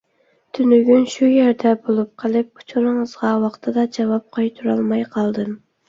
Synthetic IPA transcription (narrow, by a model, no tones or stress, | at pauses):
t̪ʰynyɡʲynʃujæɾd̪ɛbolˠup̚qʰəlˠɨp̚kʰʊ̥t͡ʃʰuɾɨŋəzʁɑwɑqt̪ʰɨd̪ɑd͡ʒɑwɑp̚qʰɑjt̪ʰuɾɑlˠmɑjqʰɑlˠd̪ɨm